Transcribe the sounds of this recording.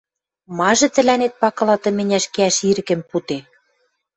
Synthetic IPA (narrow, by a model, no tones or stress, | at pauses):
mɑʒɤ̆t̪ɘ̆lænet̪̚pɑkɤ̆lɑt̪ɤ̆mɘ̆nʲæʃkeæʃiɾɘ̆kɘ̆mput̪e